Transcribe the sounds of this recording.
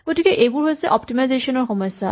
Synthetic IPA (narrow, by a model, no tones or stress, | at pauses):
ɡoʈikeʔebuɾɦojet͡ɕʰeʔɔpʈimajzeʃonoɾxɔmɔʃːa